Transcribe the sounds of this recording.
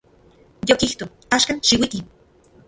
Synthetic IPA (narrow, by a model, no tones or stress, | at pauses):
jokiht̪o | aːʃkanʃiwik̪i